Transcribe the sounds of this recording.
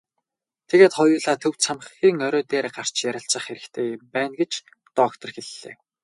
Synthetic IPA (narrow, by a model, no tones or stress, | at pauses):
t̪ʰeɣeːt̪χɔjʊːɮaːt̪ʰɵw̥t͡sʰamχxiːŋœɾɔːt̪eːrɢar̥t͡ɕjæɾʲɪ̆ɬt͡sə̆χeɾɘ̆kt̪ʰeːɪmpæːnɡet͡ɕ | t̪ɔkt̪ʰɞ̆rxeɮːḛː